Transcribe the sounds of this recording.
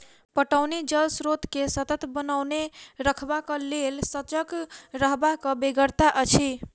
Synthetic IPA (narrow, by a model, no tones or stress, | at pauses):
pəʈəwnid͡ʒəlsɾot̪kesət̪ət̪ʰbənawneɾəkʰbakəlelsət͡ʃəkɾəɦbakə̃beɡəɾt̪aʔət͡ʃʰi